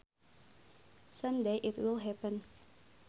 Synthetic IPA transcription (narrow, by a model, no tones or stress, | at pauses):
sʌ̃mdeʔɪtwɪlˠɦɛpə̃n